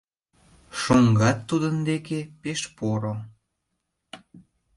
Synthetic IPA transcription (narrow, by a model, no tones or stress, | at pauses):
ʃoŋɡɑt̪ːud̪ənd̪ekepeʃpoɾo